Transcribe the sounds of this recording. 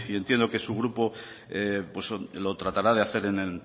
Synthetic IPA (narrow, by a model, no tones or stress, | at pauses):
ie̞nt̪je̞nd̪o̞ke̞suɣɾupo̞ | epweslo̞t̪ɾat̪aɾað̞e̞aθe̞ɾe̞nel